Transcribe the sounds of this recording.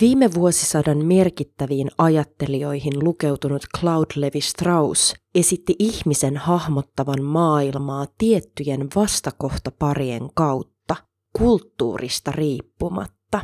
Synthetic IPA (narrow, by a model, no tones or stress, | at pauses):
ʋiːme̞ʋuo̞sisɑdɑnme̞rkit̪ːæʋiːnɑjɑt̪ːe̞lio̞jɦinluke̞wt̪unut̪klɑwdle̞ʋist̪rɑwse̞sit̪ːiʔiçmise̞nhɑhmo̞t̪ːɑʋɑnmɑːilmɑːt̪iet̪ːyjenʋɑst̪ɑko̞ht̪ɑpɑrie̞̰ŋkɑwt̪ːɑ | kult̪ːṵːrḭst̪ɑriːpːumɑ̰t̪ːɑ